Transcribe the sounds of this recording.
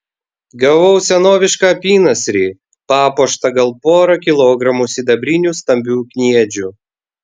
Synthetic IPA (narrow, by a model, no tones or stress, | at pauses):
ɡɐʋɐʊsʲɛnoːʋʲɪʃkɑpʲiːnɐsʲɾʲiː | pɑːpuʃt̪ɐɡɐlˠpoːɾɐkʲɪlˠoːɡɾɐmusʲid̪ɐbʲɾʲɪnʲuːst̪ɐmʲbʲuːknʲiɛd͡ʒʲu